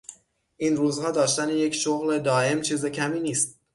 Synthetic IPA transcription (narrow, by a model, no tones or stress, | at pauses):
ʔiːnruːzhɑːd̪ɒːʃt̪æneje̞cʰʃoɣle̞d̪ɒːe̞mt͡ʃʰiːzecʰæmiːniːst̪̚